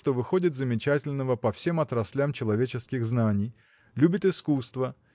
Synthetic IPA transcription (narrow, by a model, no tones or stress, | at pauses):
t̪ovɨxo̞dʲɪt̪zəmʲɪt͡ɕætʲɪlʲnəvəpɐfsʲe̞mɐt̪ɾɐsʲlʲamt͡ɕɪlˠɐvʲet͡ɕɪskʲɪɣznanʲɪj | lʲubʲɪt̪ɪskust̪və